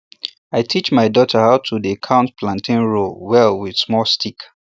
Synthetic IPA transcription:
aɪtʰit͡ʃmaɪdɔtʰəhaʊtʰudikʰãʊ̃ntpʰlãntʰĩnɹowɛlwɪd̥smɔlstik

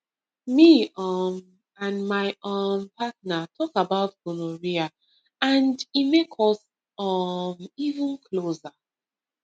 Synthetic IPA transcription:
miʌm | ãnmaɪɔmpʰatnatʰɔkabaʊtɡonoɹia | ãndimekʰɔs | ʌmivə̃nkʰloza

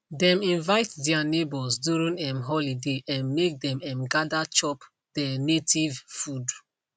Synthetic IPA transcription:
dɛ̃mĩnvaɪtdɛanebɔsduɹĩŋɛ̃mɦɔlideʔɛ̃nmek̚dɛ̃mɛ̃mɡadat͡ʃɔp | d̥ɛnetʰivfud

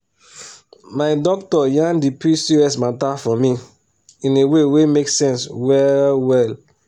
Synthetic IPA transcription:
maɪdɔk̚tɔjãndipɹisiɹɛsmatafɔmĩ | ĩnewewemeksɛ̃nswɛlwɛl

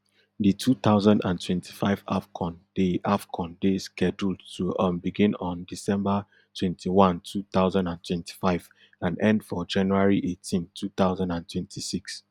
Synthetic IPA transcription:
ditʰut̪aʊzãndã̰ntʰwɛ̃ntʰi̥faɪva̰fkʰɔ̃nd̥eʔafkʰɔ̃ndeskɛd͡ʒultʰuʔə̃nbiɡĩnɔ̃ndisɛ̃mba | tʰwɛ̃ntʰiwãntʰut̪aʊzãndãntʰwɛ̃nti̥faɪv | ãnɛ̃ndfɔd͡ʒãnjuaɹiʔetʰĩntʰut̪aʊzãndãntʰwɛ̃ntʰisiks

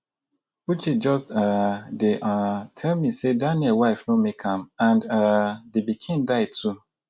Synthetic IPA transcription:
ut͡ʃid͡ʒɔstadeʔatʰɛlmisedaniɛlwaɪfnõmekʰãmãnadebikʰĩndaɪtʰu

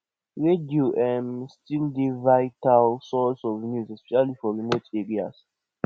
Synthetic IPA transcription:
ɹedioʔɛmstildivaɪtalsɔsɔvnjuzɛspɛʃalifɔɹimoteɹia̰s

